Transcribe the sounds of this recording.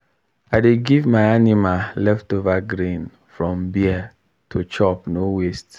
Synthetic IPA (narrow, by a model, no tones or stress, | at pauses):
aɪdeɡivmaɪanimalɛftovaɡɾĩn | fɹɔ̃mbia | tʰot͡ʃɔpnowest